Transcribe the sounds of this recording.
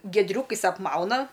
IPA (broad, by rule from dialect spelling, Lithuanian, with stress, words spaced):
ɡʲiɛdʲˈrʲuːkɐɪs ɐpˈmɐʊnɐ